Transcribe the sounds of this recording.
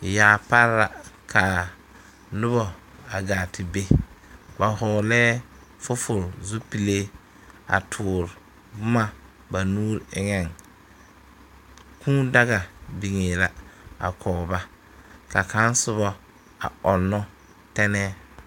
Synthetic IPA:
jaː˨˦pa˦ɾla̰˨kʰa˨ | nʊ˦βɔ˨a˨ɡaː˨tɪ˨be˦ba˨ɦɔː˨lɛː˦ | fʊ˦fʊ˨ɾzu˦pi˨le˦ | a̰˨tʰʊː˨ɾ | bʊ˦ma˦ | ba˨nuː˦ɾɪ˦ŋɛ˨ŋ | kʰũː˦da˦ɣa˨bi˨ŋeː˨la˨a̰˨kʰɔː˨ba˦ | ka˨ka˨˦n˦sʊ˦βɔ˦ | a̰˨ɔ˨nːɔ˦ | tɛ˦nɛ˦

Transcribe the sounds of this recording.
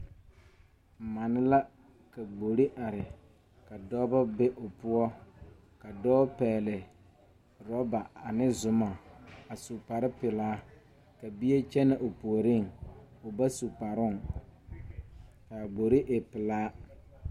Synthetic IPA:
ma˨nɪ˦la˦ | ka˨ɡ͡bo˨ɾi˦ʔa˨ɾɪ˨ | ka˨dɔ˦ba˦be˦ʔo˨pʊ˦ɔ˦ | ka˨dɔː˦pɛː˨lɪ˨ | ɾɔ˦ba˨a˨nɪ˦zʊ˨ma˨a˨su˨pa˨ɾɪ˦pɪ˨laː˦ | ka˨bi˦e˦t͡ʃɛ˦na˨ʔo˨pu˨o˨ɾɪ˦˨ŋʊ˨ba˦su˨pa˨ɾʊ˦˨ŋ | ka˨ɡ͡bo˨ɾi˦ʔe˨pɪ˨laː˦

